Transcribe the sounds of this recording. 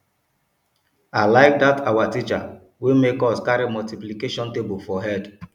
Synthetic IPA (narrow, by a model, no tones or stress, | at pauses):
aɪlaɪk̚datʰawatit͡ʃa̰ | wemekɔskaɾimɔltiplikeʃɔ̃ntebofɔɦɛd